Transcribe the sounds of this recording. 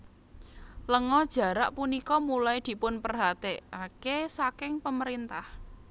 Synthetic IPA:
ləŋɔd̥ʒ̥ä̤ɾaʔpunikɔmulajd̪̥i̤pʊnpərɦat̪eakesakɪŋpəməɾint̪ah

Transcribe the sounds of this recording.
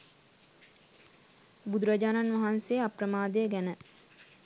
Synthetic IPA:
bud̪uɾad͡ʒaːnanʋɐɦansejaprəmaːd̪ejəɡænə

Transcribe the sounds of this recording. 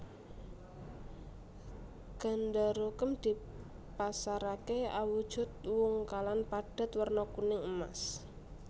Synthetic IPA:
ɡ̥a̤ndaɾokəmd̪̥i̤ | pasaɾakea̰wud̥ʒ̥ʊt̪̚wʊŋkalanpaɖ̥a̤t̪wərnɔkunɪŋəma̰s

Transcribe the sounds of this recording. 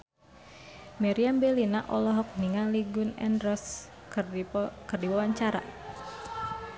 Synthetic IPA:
mɛɾiambɛlinaʔɔlɔɦɔk̚niŋaliɡʊnɛ̰ndrɔs | kərdiwawaɲt͡ʃaɾa̰

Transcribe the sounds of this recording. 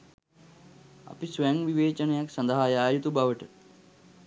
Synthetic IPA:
ɐ̰pisʋɐjɐŋʋiʋeːt͡ʃɐnɐjɐksɐnd̪ɐɦaːjaːjut̪ubʱɐʋɐʈɐ

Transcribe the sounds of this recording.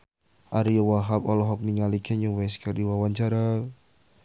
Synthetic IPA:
ʔaɾijawaɦapɔlɔɦɔk̚niŋalikʰɛɲɔwɛskərdiwawaɲt͡ʃaɾa

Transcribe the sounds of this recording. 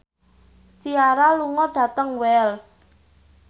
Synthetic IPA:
siaɾaluŋɔɖ̥ä̤t̪əŋwɛls

